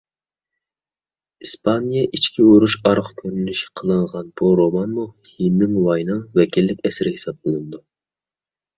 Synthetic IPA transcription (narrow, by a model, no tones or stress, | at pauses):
ispʰɑnijɑʔit͡ʃkʲʰiuɾuʃɑɾqkʲʰøɾylyʃi̥qʰəlˠɨɴʁɑnb̥uɾomɑnmu | hinːɪŋwɑjnɨŋvɛkʲilːɪkʲɛsɾɪhesɑb̚bolˠɨnɨd̪u